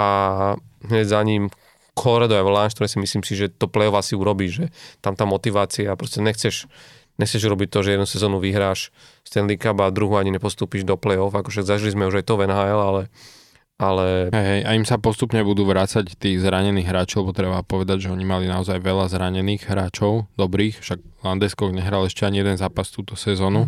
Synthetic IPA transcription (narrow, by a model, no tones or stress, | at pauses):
ʔa | ɦɲɛzaɲiːm | kʰɔɾɛd̪ɔajʋlanʃt̪ɔɾɛsimisliːmsiʒɛt̪ɔplɛjɔvasiuɾɔbiːʒʒɛt̪amt̪amːɔt̪iʋaːt͡siapɾɔscɛɲɛxt͡sɛʃ | ɲɛxt͡sɛʒuɾɔbic̚t̪ɔʒɛjɛd̪nusɛzɔːnuʋiɦɾaːʃ | st̪ɛnlikabavd̪ɾuɦuaɲiɲɛpɔst̪uːpiʒd̪ɔplɛjɔfakɔʃaɡzaʒilizmɛuʒajt̪ɔvɛnɦaːɛlalɛ | alɛɦɛjɦɛjʔaimsapɔst̪upɲɛbud̪uːʋɾat͡sact̪iːɣzɾaɲɛniːɣɦɾaːt͡ʃilɛbɔt̪ɾɛbapɔʋɛd̪aɟʒɛɔɲimalinaɔzajʋɛʎazɾaɲɛniːɣɦɾaːt͡ʃɔʊd̪ɔbɾiːxfʃaɡ̚land̪ɛskɔɡɲɛɦɾalɛʃcɛaɲijɛd̪ɛnzaːpast̪uːt̪ɔsɛzɔːnu